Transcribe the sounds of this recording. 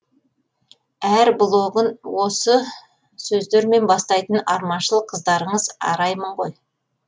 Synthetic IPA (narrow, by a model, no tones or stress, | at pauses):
æɾblˠoʁənwo̞sə | sɵzd̪eɾme̞nbɑst̪ɑjt̪ənɑɾmɑnʃəlˠəqʰːəzd̪ɑɾəɴəzɑ̰ɾɑjməɴʁo̞̰j